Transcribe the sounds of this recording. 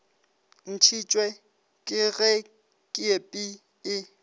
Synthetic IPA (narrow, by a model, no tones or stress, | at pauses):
n̩t͡ʃʰit͡ʃʼwɛ | kʼɪɣɛ | kʼɪepʼi | ɪ